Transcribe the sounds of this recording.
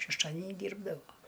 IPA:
ʃʲɛʃˈtɑːdʲɛnʲɪ ˈdʲiːrbdɐʋoː

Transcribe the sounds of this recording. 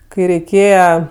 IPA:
kɐɪ rʲɛɪˈkʲeːjɛ

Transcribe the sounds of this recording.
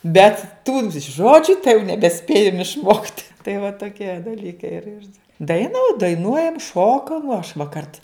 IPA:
bʲɛt ˈtuː ˈʒoːd͡ʒʲʊ tɐɪ jɛʊ nʲɛbʲɛˈsʲpʲeːjɛm ɪʃˈmoːktʲ tɐɪ ʋɐ toːˈkʲiɛ dɐˈlʲiːkɐɪ ɪr ɪr ˈdɐɪnɐ dɐɪˈnuɔjɛm ˈʃoːkɐm ɐʃ ʋɐ ˈkɐrt

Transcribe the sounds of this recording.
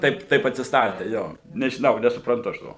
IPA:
ˈtɐɪp ˈtɐɪp ɐtʲsʲɪsˈtɑːtʲeː ˈjoː nʲɛʒʲɪˈnɐʊ nʲɛsʊprɐnˈtʊ ɐʃ ˈtoː

